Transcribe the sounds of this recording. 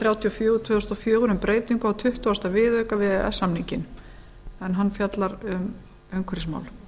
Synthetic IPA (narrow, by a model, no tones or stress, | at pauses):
θɾjaːwt̪ʰiɔfjœːɣʏt̪ʰvœːðʏst̪ɔfjœːɣʏɾʏmpɾeːjt̪iŋkʏawt̪ʰʏht̪uast̪avɪðœːkavɪðɛ̰sːamniɲcɪn | ɛnɦanːfjat̪laɾʏm | œŋkʰʏɾɪsma̰wl